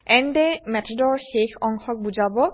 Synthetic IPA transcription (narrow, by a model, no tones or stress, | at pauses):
ɛndɛmɛtʰɔdɔɹxexɔŋxɔk̚buzabɔ